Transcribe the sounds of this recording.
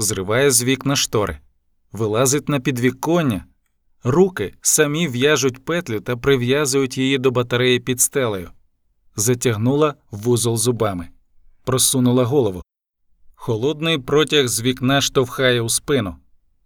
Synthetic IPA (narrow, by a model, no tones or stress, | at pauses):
zrɪʋɑjɛzʲʋʲiknɐʃt̪ɔɾʔɪ̰ | ʋɪlˠɑzɪtʲnɐpʲid̪ʋʲikːɔnʲːɐ | rukɪsɐmʲiwjaʒʊtʲpɛt̪lʲʊt̪ɐpɾɪwjazʊjʊtʲjijid̪ɔbɐt̪ɐɾɛjipʲid̪st̪ɛlˠɐjʊ̰ | zɐtʲɐɦnulˠɐʋuzɔlˠzʊbɑmɪ | pɾɔsunʊlˠɐɦɔlˠɔʋɔ | xɔlˠɔd̪nɪjpɾɔtʲɐɣzʲʋʲiknɐʃt̪ɔwxɑjɛwspɪnʊ